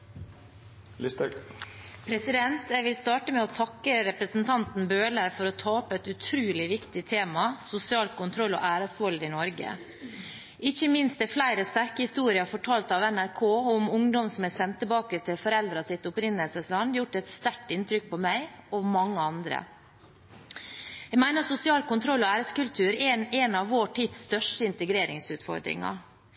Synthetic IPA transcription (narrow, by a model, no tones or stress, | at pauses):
lɪst̪ə | pʰɾɛsɪd̪ɛnt̪ʰjɛɪʋɪlst̪ɑːʈəmɛɔt̪ʰɑkːəɾɛpɾəsnt̪ʰɑnt̪n̩bøːləfɔɾɔt̪ʰɑːɔpːɛt̪ʉt̪ʰɾʉːlɪʋɪkt̪ɪt̪ʰeːmɑsʊsɪɑːlkʰʊnt̪ʰɾɔlːɔ̰ʔæːɾəsʋɔld̪ɪnɔɾɡə̰ | ʔɪçːəmɪnst̪̚d̪ɛflæɪɾəst̪æɾkəhɪst̪uːɾɪɑfɔʈʰɑːlt̪ɑʋɛnæɾkʰoːʊmʊŋd̪ɔmsɔmæsɛnt̪ʰːəbɑːkət̪ʰɪlfɔɾɛld̪ɾɑsɪt̪ʊpɾɪnəlsəslɑnːjʊʈːɛt̪st̪æʈːɪnt̪ʰɾʏk̚pʰɔmæɪɔmɑŋːəɑnd̪ɾə̰ | jæɡmæɪnəsʊsɪɑːlkʊnt̪ʰɾɔlːɔæːɾəskʉlt̪ʰʉːɾɛɛnɑʋːoːʈʰiːd̪st̪œʂʈəɪnt̪əɡɾeːɾɪŋsʉːt̪fɔ̰ɾd̪ɾɪ̰ŋɑ̰